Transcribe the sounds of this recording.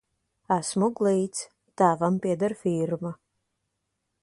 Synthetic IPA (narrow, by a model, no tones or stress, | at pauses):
æsmuɡlˠiːt̪s | t̪aːvampiɛd̪aɾfiɾma